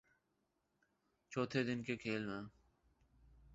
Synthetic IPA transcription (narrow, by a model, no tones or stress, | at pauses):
t͡ʃʰoːt̪ʰed̪ɪnkekʰeːlmẽː